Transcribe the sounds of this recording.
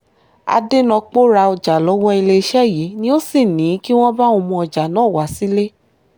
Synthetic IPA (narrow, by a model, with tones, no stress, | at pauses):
a̰˧de˦nɔ̃˧k͡po˦ɾa˧ɔ˧d͡ʒa˨lɔ˨˦wɔ˦i˧le˧i˧ʃɛ˦˨ji˨˦nĩ˦o˦si˦˨nĩ˨˦ki˦w̃ɔ̃˦ba˦o˧mũ˧ɔ˧d͡ʒa˨nãː˨˦˨wa˨˦si˦le˦